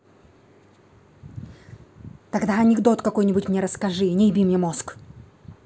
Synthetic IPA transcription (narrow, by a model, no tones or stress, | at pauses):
t̪ɐɡd̪aɐnʲɪɡd̪o̞t̪kɐko̞jnʲɪbʊtʲmnʲeɾəskɐʐɨnʲɪjɪbʲimnʲemo̞sk